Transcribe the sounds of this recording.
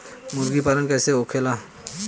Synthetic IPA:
mʊɾɡipalənkɛːseokʰela

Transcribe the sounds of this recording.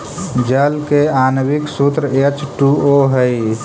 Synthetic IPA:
d͡ʒəlkeanwiksut̪ɾəet͡ʃʈuoɦəj

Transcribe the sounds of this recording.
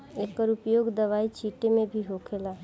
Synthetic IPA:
eːkəɾʊpjoːɡd̪ɐʋaːit͡ʃʰiːʈemẽbʱiɦoːkʰelaː

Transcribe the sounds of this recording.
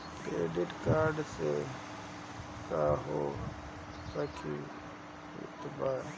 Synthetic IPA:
kɾeːɖiʈkaːɾɖse | kaːɦo | sɐkʰi | ḭt̪baː

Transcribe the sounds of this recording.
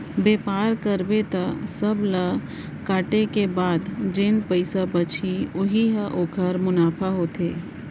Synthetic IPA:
beːpaːɾkəɾbet̪asəbla | kaːʈekebaːd̪d͡ʒenpəɪsabət͡ʃʰiʊɦiɦaʔoːkʰəɾmʊnaːpʰaɦoːt̪ʰeː

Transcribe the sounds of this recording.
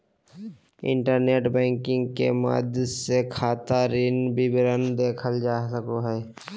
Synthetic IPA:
ɪ̰̃ɳʈəɾneːʈbɛ̃ːŋkɪ̃ŋɡkḛma̰ːd̪sekʰaːt̪aɾɪnbibɪɾənd̪eːkʰəld͡ʒaːsəkoɦɛː

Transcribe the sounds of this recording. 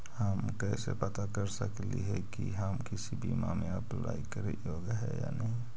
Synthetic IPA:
həmkɛsepət̪akəɾsəkliɦɛkiɦəmkisibʱimameəplaːikəɾejoɡɦɛja̰nəɦĩ

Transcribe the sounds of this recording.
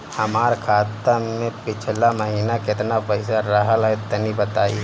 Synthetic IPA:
hɐmaːɾkʰaːt̪əmẽpɪt͡ʃʰlamɐɦiːnakɪt̪napəɪsaɾəɦəlɦɛt̪ənibət̪aːi

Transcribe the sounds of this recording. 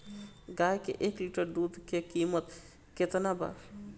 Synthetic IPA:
ɡajkḛʔekliʈəɾɖud̪kekimət̪ | ket̪naba̰

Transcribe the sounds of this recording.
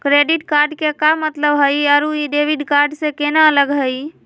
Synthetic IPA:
kɾeɖiʈkaɾɖkekamət̪ləbɦəjaɾuiɖeʋiɖkaɾɖsẽkenaələɡɦəj

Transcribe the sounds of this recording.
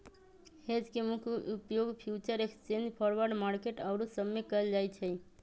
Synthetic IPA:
hed͡ʒkemukʰupjoɡpʰjut͡ʃəɾekst͡ʃend͡ʒpʰɔɾʋəɾɖmaɾkeʈawɾusəmːekəld͡ʒajt͡ʃʰe

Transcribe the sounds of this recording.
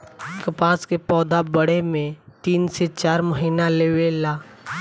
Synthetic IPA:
kɐpaːskepɔːd̪ʱabəɽ̤emẽt̪iːnset͡ʃaːɾməɦiːnaleːwelaː

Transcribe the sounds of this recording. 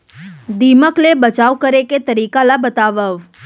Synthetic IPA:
d̪iməklebət͡ʃaʋkəɾeket̪əɾiːkalabət̪aʋəʋ

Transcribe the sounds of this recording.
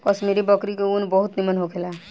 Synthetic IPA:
kɔsmeːɾibɔkɾikeunbɔɦʊt̪nimənɦokʰela

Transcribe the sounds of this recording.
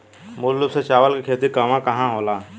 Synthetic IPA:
mʊllʊbset͡ʃaːʋəlkekʰeːt̪ikaːmãkɐɦãɦoːlaː

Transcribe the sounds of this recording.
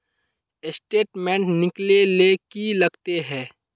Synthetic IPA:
ɪsʈeːʈmẽːɳʈnɪklelekilɐɡt̪eɦɛ̃ː

